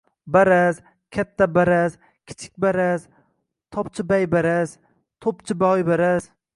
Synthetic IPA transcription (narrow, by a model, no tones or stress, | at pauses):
baɾaz | kʲʰat̪ʰːabaɾaz | kʲʰɪ̥t͡ʃʰɪ̥k̚ʲbaɾaz | t̪ʰɒpt͡ʃʰɪbajbaɾaz | t̪ʰopt͡ʃʰɪbajbaɾaz̥